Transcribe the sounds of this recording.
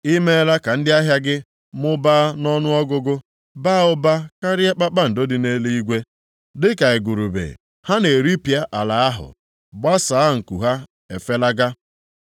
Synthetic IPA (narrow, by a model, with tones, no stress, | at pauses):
i˦me˦la˦ka˨n̩˦dɪ˦a˦ɦja˦ɡɪ˦ | mʊ˦ba˦nɔ˦nʊ˦ɔ˦ɡʊ˦ɡʊ˦ | ba˦˨ʊ˦ba˦ka˦ɾɪ˦a˦k͡pa˦k͡pa˦n̩˨do˦dɪ˨ne˦le˦i˦ɡʷe˦ | dɪ˦ka˨e˨ɡu˨ɾu˨bḛ˨ | ha˦ne˨ɾi˦pja˦ʔa˨la˨a˦ɦʊ̰˨ | ba˦saː˨˦ŋ̩˨kṵ˨ɦa˦ | ḛ˨fe˦la˦ɡa˦